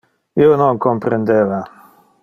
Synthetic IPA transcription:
ionoŋkompɾend̪eva

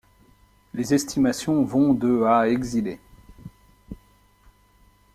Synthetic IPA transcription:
lezɛst̪imasjɔ̃vɔ̃d̪əaɛɡzile

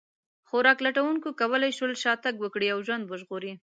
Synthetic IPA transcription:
xoɾɑklaʈawuŋkokawəlajʃwəlʃɑt̪aɡwəkɽiawʒwand̪wəʒɣoɾi

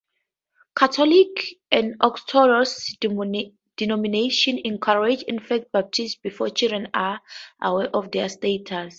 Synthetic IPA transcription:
kʰatʰɔlikɛ̃ndɔktʰɔɹɔs | d̥inɔmineʃɔ̃nɛ̃nkʰaɹɛd͡ʒĩnfak̚t̚bap̚tʰistsbifɔt͡ʃildɹɛ̃naʔawɛʔɔfdɛstetʰas

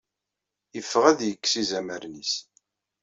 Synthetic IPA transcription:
jəfːəʁæðjəkːsizæməɾnis

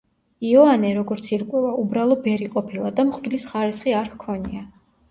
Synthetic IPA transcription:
iɔanɛɾɔɡɔɾt̪sʰiɾkʼwɛvaubɾalˠɔvɛɾiqʼɔpʰilˠad̪amχd̪lisχaɾisχiaɾhkʰɔnia

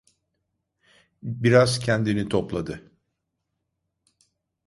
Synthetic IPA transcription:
biɾaz̥cʰɛnd̪init̪ʰoplˠad̪ɯ

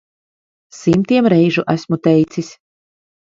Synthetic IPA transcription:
simt̪iɛmɾɛjʒuʔæsmut̪ɛjt̪sisʲ

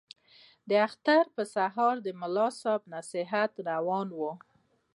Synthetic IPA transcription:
d̪əaxt̪aɾpəsaɦɑɾd̪əmʊlɑsɑbnasɪɦat̪ɾawɑnwu

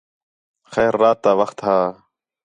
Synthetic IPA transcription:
xɛːɾːaːt̪ːaːʋəxt̪ɦaː

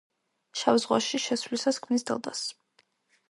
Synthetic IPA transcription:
ʃavzʁwa̰ʃiʃɛswlisaskʰmnisd̪ɛ̰lˠd̪a̰s

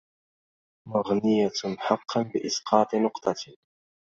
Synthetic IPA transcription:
maɣnɪjaħɑqʰːɑnbɪʔɪsqʰɑːt̪ˤnʊqt̪ˤɑt̪

